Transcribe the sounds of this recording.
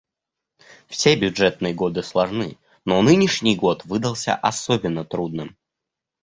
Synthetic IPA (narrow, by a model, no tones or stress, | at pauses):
fsʲebʲʊʐɛt̪̚nɨjəɡo̞d̪ɨslˠɐʐnɨ | nonɨnʲɪʂnʲɪjɡo̞t̪vɨd̪əlˠsʲə̰ʔɐsobʲɪnːət̪ɾud̪̚nɨm